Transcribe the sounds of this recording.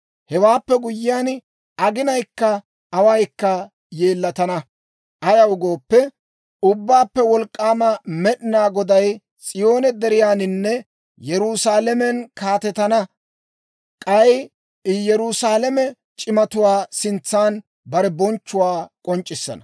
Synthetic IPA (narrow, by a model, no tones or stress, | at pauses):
hɛwaːpːɛɡʊjːɪjaːn | ɐɡɪnɐjkːɐ | ɐwɐjkːɐ | je̞ːlːɐt̪ɐnɐ | ʔɐjɐwɡo̞ːpːɛ | ʊbːaːpːɛwɔlkʼːaːmɐmɛɗɪnaːɡɔd̪ɐj | sʼɪjo̞ːnɛd̪ɛɾɪjaːnɪnːɛ | jɛɾusaːlɛmɛnkaːt̪ɛt̪ɐnɐ | kʼɐj | jɛɾʊsaːlɛmɛ | t͡ʃʼɪmɐt̪ʊwaːsɪnt͡sːaːn | bɐɾɛbɔnt͡ʃːʊwaːkʼɔnt͡ʃʼːɪsːɐ̰nɐ